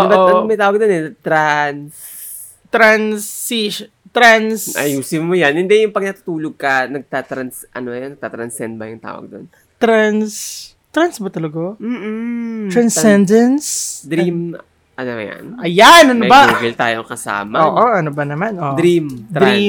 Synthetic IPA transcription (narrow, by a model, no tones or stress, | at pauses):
oʔ̪aomɐjt̪aːwɐɡ̚d̪onɛt̪ɾans | t̪ɾansiʃ | t̪ɾansʔɐ̰juːsɪnmojanhɪnd̪ɛjʊŋpɐɡ̚nɐt̪ɐ̥t̪uːloɡ̚kɐnɐɡ̚t̪at̪ɾɐnsʔɐ̰nojonɐɡ̚t̪at̪ɾɐnsɛnd̪̚bɐjʊŋt̪a̰ːwɐ̰ɡ̚d̪o̰n | t̪ɾans | t̪ɾansbɐt̪ɐlɐɡom̩ːɾɐnsɛnd̪ɐnsd̪ɾim | ʔɐnoja̰nʔɐjanʔɐnobaɡɪlt̪a̰ːjokɐsa̰ːmɐoːʔʔoʔɐnobɐnɐmanʔoʔɾimd̪ɾi